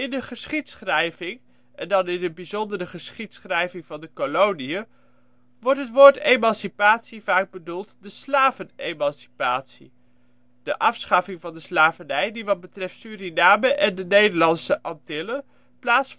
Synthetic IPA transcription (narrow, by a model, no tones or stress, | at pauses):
ɪndəχəsχitsχrɛjvɪŋ | ʔɛndɑnɪnəbizɔndərəχəsχitsχrɛjvɪŋvɑndəkolowniə | ʋɔɹtɦətʋoːɹtejmɑnsipaːtsiv̥aːɡ̚bədulˠtdəslaːvənejmɑnsi̥paːtsḭ | d̥əʔɑfsχɑfɪŋvɑndəslaːvənɛjdiʋɑt̚bətrɛftsyːrinaːməʔɛndənejdəɹlɑnsəʔɑntɪlə | plaːts